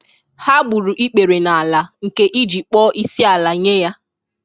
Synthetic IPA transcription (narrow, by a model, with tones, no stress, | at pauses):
ha˦ɡ͡bu˨ɾu˨ʔi˦k͡pe˨ɾe˨na˨a˨la˨ŋ̩˨ke˦ʔi˦d͡ʒi˨k͡pɔ˦ʔi˦si˦a˨la˨ɲe˦ja˦